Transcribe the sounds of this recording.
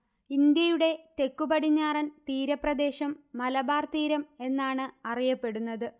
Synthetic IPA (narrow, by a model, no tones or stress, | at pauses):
ind̪jɐjuɽe̞t̪e̞kːubɐɽiɲːaːrɐnt̪iːɾɐprɐd̪e̞ːɕɐmːɐlɐbaːrt̪iːɾɐme̞nːaːɳɨɐrijɐpːe̞ɽunːɐðɨ